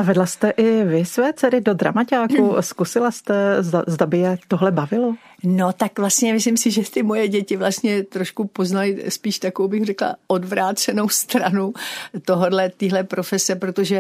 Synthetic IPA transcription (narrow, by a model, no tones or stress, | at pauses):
ʔavɛdlast̪ɛʔɪvɪsvɛːt͡sɛɾɪdod̪ɾa̰macaːkuskusɪlast̪ɛzdazdabɪjɛt̪oɦlɛbavɪlo | not̪akvlast̪ɲɛmɪslɪmsɪʒɛt̪ɪmo̞jɛɟɛcɪvlast̪ɲɛt̪ɾoʃkupo̞znalɪspiːʃt̪akowbɪxrɛkla̰ʔodvɾaːt͡sɛno̞wst̪ɾanut̪oɦo̞dlɛt̪iːɦlɛpɾo̞fɛsɛpɾo̞t̪o̞ʒɛ